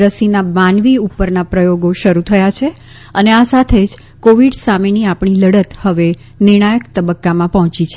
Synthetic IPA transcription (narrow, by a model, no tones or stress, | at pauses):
ɾəsinamanʋiupːəɾnapɾəjoɡoʃəɾut̪ʰəjat͡ʃʰe | əneasat̪ʰed͡ʒ | koʋiɖsameniapɳ̃iləɽət̪həʋe | nɪɾɳ̃ajəkt̪əbəkːamãpɔɦɔ̃t͡ʃit͡ʃʰe